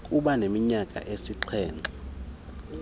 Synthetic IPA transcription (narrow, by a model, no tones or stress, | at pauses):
kʼuɓanemiɲakʼa̰ʔesiǃʰɛːntʼɛ